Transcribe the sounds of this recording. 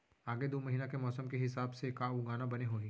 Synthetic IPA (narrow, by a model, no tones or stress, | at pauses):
aːɡed̪oːmɐɦiːnakemɔːsəmkeɦɪsaːbsekauɡaːnabɐneɦoːĩː